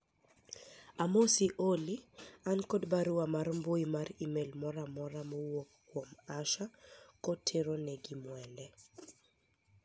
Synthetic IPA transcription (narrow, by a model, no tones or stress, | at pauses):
amosiʔoliankɔdbaɾʊwamaɾmboimaɾimelmɔɾamɔɾamɔwokː | womaʃakɔtʰeɾonɛɡimwɛndɛ